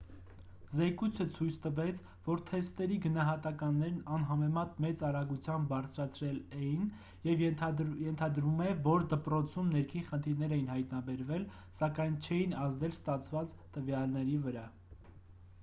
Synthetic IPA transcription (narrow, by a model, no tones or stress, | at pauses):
zɛkujt͡sʰət͡sʰujt͡sʰt̪əvɛt͡sʰ | vɔɾt̪ʰɛst̪ɛɾiɡənɑɦɑt̪ɑkɑnːɛɾnɑnɦɑmɛmɑt̪mɛt͡sɑɾɑɡut͡sʰjɑmbːɑɾt͡sʰɾɑt͡sʰɾɛlɛjin | jɛvjɛnt̪ʰɑd̪ɾumɛvɔɾd̪əpɾɔt͡sʰumnɛɾkʰinχənt̪ʰiɾnɛɾɛjinhɑjt̪nɑbɛɾvɛl | sɑkɑjnt͡ʃʰɛjinɑzd̪ɛlst̪ɑt͡sʰvɑt͡st̪əvjɑlnɛɾivəɾɑ